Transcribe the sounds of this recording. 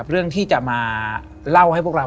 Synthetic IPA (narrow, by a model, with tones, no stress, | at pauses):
p̚ɾɯ˥˩əŋt̪ʰiː˥˩t͡ɕa˨˩ʔmaː˧ | la˥˩wha˥˩jpʰu˥˩kɾa˧